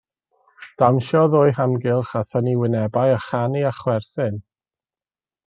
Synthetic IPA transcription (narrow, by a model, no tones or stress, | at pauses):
d̥amʃɔðoːjhamɡɪlˠχaθəniwɪnɛbajaχaniaχwɛrθɪn